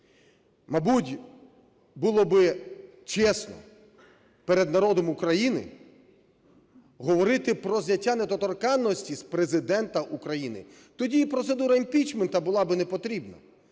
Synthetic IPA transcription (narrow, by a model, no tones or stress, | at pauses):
mɐbutʲ | bulˠɔbɪ | t͡ʃɛsnɔ̰ | peɾed̪nɐɾɔd̪ɔmukɾɐjinɪ̰ | ɦɔʋɔɾɪt̪ɪpɾɔzʲjʲɐtʲːanet̪ɔt̪ɔrkɑnːɔsʲtʲispɾezɪd̪ɛnt̪ɐʔukɾɐjinɪ̰ | t̪ɔdʲipɾɔt̪sed̪uɾɐimʲpʲit͡ʃment̪ɐbʊlˠɑbɪnepɔt̪ɾʲibnɐ̰